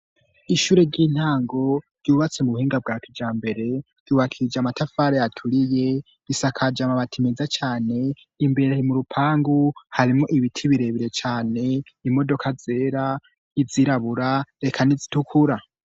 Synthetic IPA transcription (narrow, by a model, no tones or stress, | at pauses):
iʃuɾeɾɟiːn̥haːŋɡo̞ɾ̥ɟuːβat͡semuβuhiːŋɡab̚ɡaːkʰid͡ʒaːmbe̞ɾe̞ | ɟ̥uːβakʰiɾid͡ʒamatafaɾejatʰuɾije̞ | βisakʰad͡ʒamaβatʰimezat͡ʃaːne̞ | imbeɾehimuɾupʰaːŋɡuhaɾimŋo̞ʔiβitʰiβiɾe̞βiɾe̞t͡ʃaːne̞ | imo̞do̞kʰaze̞ːɾa | iziɾaβuɾaɾe̞kʰanizitukʰuɾa